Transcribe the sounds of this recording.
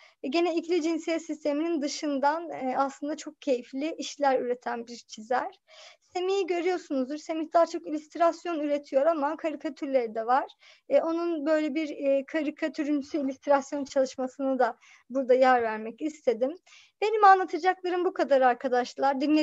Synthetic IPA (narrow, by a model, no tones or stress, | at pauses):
ɟe̞nɛicʰlʲid͡ʒinsijɛsist̪ʰe̞minind̪ɯʃɯnd̪anaslˠɯnd̪at͡ʃʰo̞k̚cʰe̞jiflʲiʔiʃlʲæɾyɾe̞t̪ʰænbiɾt͡ʃʰizæɾ̥se̞mijiɟø̞ɾyjo̞ɾsunuzd̪ɯɾse̞miçd̪aːat͡ʃʰo̞kilʲyst̪ɾasjo̞nyɾe̞t̪ʰijo̞ɾamakʰaɾikʰat̪ʰyɾlʲe̞ɾid̪ɛvaɾ̥ | ɛo̞nunbø̞jlʲɛbiɾːkʰaɾikʰat̪ʰyɾynysyilʲyst̪ɾasjo̞nt͡ʃʰalˠɯʃmasɯnɯd̪a | buɾd̪ajæɾvæɾmɛcist̪ʰe̞d̪im | b̥e̞nimanlˠat̪ʰɯd͡ʒaklˠaɾɯmbukʰad̪aɾaɾkʰad̪aʃlˠaɾd̪ynːʲe